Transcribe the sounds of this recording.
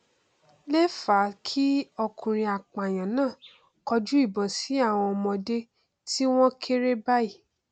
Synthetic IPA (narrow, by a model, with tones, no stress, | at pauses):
le˦fa˨˦kʰi˦ɔ˧kũ˨ɾ̃ĩ˧a˨k͡pa˨j̃ã˨nãː˦˨ | kɔ˧d͡ʒu˦i˦˨bɔ̃˨si˨˦a˦˨w̃ɔ̃˧mɔ̃˧de˦ | ti˦w̃ɔ̃˦kʰe˦ɾe˦ba˦i˦˨